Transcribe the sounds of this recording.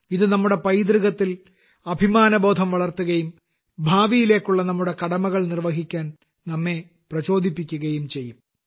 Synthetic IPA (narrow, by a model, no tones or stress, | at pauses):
iðɨnɐmːuɽe̞pɐjd̪riɣɐt̪ːil | ɐbʱimaːnɐbo̞ːd̪ʱɐmʋɐɭɐrt̪ːuɣɐjum | bʱaːʋijile̞ːkːuɭːɐnɐmːuɽe̞kɐɽɐmɐɣɐɭnirʋɐɦikʲːaːn | nɐmːe̞ | prɐt͡ɕo̞ːd̪ʱipːikʲːuɣɐjumt͡ɕe̞jːum